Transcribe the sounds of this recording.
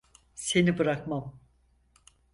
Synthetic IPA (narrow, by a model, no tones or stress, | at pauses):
se̞nibɯɾakmam